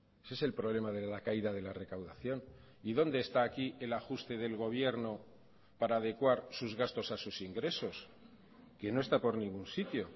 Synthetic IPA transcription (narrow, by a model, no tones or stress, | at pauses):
esese̞lpɾo̞β̞le̞maðelakaiðaðe̞lare̞kawðaθjo̞n | iðo̞nd̪e̞ːst̪aːkie̞laxust̪e̞ðe̞lɣ̞o̞β̞je̞ɾno̞ | paɾaːðe̞kwaɾsuzɣast̪o̞sasusiŋɡɾe̞so̞s | ke̞no̞e̞st̪apo̞ɾnĩŋɡunsit̪jo̞